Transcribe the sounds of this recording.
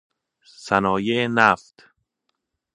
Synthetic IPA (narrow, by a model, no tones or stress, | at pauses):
sænɒːjeenæft̪